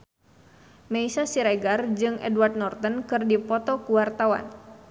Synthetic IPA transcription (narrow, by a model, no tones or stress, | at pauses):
meisasiɾaɡard͡ʒɨŋʔɛ̰dwart̪̚nɔrt̪ənkɨrdipɔt̪ɔkuwart̪awa̰n